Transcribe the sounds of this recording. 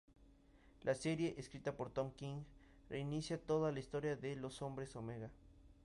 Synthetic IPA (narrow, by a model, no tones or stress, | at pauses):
lʔaseɾjeʔeskɾit̪apoɾt̪omkiŋ | reinisjat̪oðalaist̪oɾjaðelosombɾesomeɣa